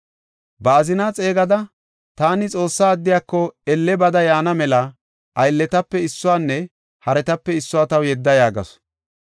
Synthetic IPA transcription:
bɐːzɪnaːt͡sʼe̞ːɡɐd̪ɐ | t̪aːnɪt͡sʼo̞ːsːaːd̪ːɪjaːkːɔɛlːɛbɐd̪ɐjaːnɐmɛlɐ | ʔɐjlːɛt̪ɐpːɛɪsːʊwaːnːɛ | hɐɾɛt̪ɐpːɛɪsːʊwaːt̪ɐwjɛd̪ːɐjaːɡɐ̰s

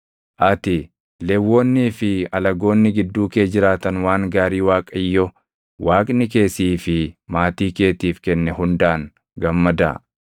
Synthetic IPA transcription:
ʔɐt̪ɪ | lɛwːo̞ːnːiːfɪɐlɐɡo̞ːnːɪɡɪd̪ːuːke̞ːd͡ʒɪɾaːt̪ɐnwaːŋɡaːɾiːwaːkʼɐɪjːɔ | waːkʼnɪke̞ːsiːfɪmaːt̪iːke̞ːt̪iːfkɛnːɛhʊnd̪aːŋ | ɡɐmːɐd̪ɐ̰

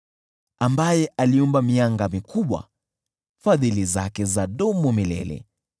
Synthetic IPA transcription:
ambajɛʔaliumbamiaŋɡamikʰuɓwa̰ | faðiliza̰kɛzaɗɔmɔmilɛ̰lɛ̰

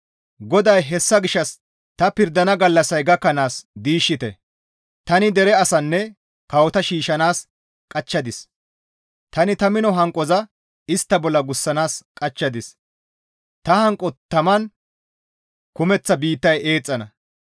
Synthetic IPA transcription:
ɡɔd̪ɐjɦɛsːɐɡɪʃːɐs | t̪ɐpɪɾd̪ɐnɐɡɐlːɐsɐjɡɐkːɐnaːsd̪iːʃːɪt̪ɛ | t̪ɐnɪd̪ɛɾɛɐsɐnːɛ | kɐwɔt̪ɐʃiːʃɐnaːs | kʼɐt͡ʃːɐd̪ɪs | t̪ɐnɪt̪ɐmɪnɔɦɐŋkʼːɔzɐ | ɪst̪ːɐbɔlːɐɡʊsːɐnaːskʼɐt͡ʃːɐd̪ɪs | t̪ɐhɐŋkʼɔt̪ːɐmɐn | kʊmɛt͡sːɐbiːt̪ːɐje̞ːt͡sʼːɐnɐ̰

